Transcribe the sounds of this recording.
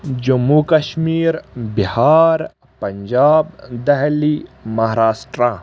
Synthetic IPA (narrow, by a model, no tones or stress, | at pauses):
d͡ʒɐmːukɐʃmiːɾbɪhaːɾ | pɐɲd͡ʒaːbd̪ɛɦlimɐɦaɾaːsʈɾa